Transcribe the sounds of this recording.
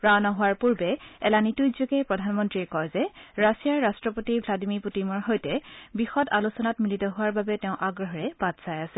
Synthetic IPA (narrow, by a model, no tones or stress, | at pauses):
pɹawnɔɦʊwaɹpuɹbɛɛlanitujzoɡɛpɹɔdʱanmɔntɹiɛkɔjzɛɹasijaɹːastɹɔpotibʱladimiɹputimɔɹɦojtɛbixɔtalusɔnatmilitɔɦʊwaɹbabɛtɛʊ̃ʔaɡɹɔɦɔɹɛb̥atsajasɛ